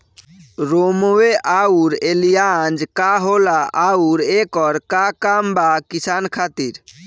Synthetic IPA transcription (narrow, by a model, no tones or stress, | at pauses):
ɾomoeʔauɾelijand͡ʒkaɦolaʔauɾekɔɾkakambakisankʰat̪iɾ